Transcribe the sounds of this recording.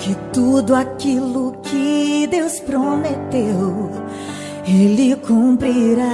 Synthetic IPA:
kɪt̪ud̪ʊakilʊkʰɪd̪ewspɾomet̪ew | elɪkʰũpɾiɾa

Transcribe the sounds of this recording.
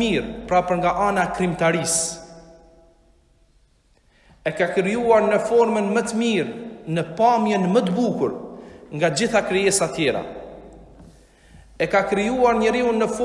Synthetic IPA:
iɾpɾapəɾŋɡaʔanakɾimt̪aɾis | ɛkakɾijuaɾnəfɔɾmənmət̪əmiɾnəpamjənmət̪əbukuɾŋɡad͡ʑiθakɾiɛsat̪jɛɾa̰ | ɛkakɾijuaɾɲəɾiunːəf

